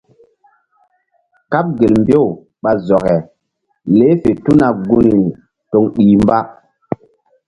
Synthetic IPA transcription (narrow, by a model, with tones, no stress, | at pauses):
ka˦p̚ɡe˨lmbo˦˨ | ɓa˨zɔ˨kɛ˨ | le˦fe˨tu˦na˨ɡu˦ni˨ | to˨ŋɗiː˨mba˦